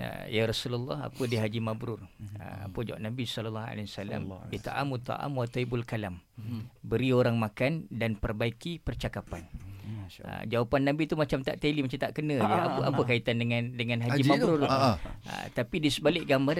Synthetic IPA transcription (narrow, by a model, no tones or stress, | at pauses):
ə̰jaɾasulalːɑ̰ɦa̰pədiɦad͡ʒimabɾʊrə̰a̰pəd͡ʒaṵʔnabisɔləlːaɦa̰liasala̰mit̪a̰ʔa̰mut̪ɔ̰ʔa̰mwat̪aibulkalambəɾioɾaŋmakandanpərbaikipərt͡ʃakapan | ə̰d͡ʒawapanːãbit̪umat͡ʃamt̪a̰ʔt̪elimat͡ʃamt̪aʔkənə̃jaaəʔapəkait̪andəŋandəŋãnɦad͡ʒimabɾu | ə̰t̪apidisəbalɪʔɡambar